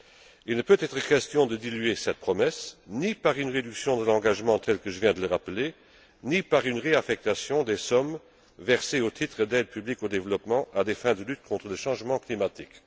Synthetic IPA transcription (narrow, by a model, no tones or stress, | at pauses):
ilnəpøt̪ɛt̪χəkɛst̪jɔ̃d̪əd̪ilyesɛt̪̚pχɔmɛsnipaʁynʁed̪yksjɔ̃d̪əlɑ̃ɡaʒmɑ̃t̪ʰɛlkəʒəvjɛ̃d̪ələʁapəle | nipaʁynʁeafɛk̚t̪asjɔ̃d̪esɔm | vɛʁseot̪ʰit̪χəd̪ɛd̪̚pyblikod̪evəlɔpmɑ̃ʔad̪efɛ̃d̪əlyt̪̚kʰɔ̃t̪χələʃɑ̃ʒmɑ̃klimat̪ik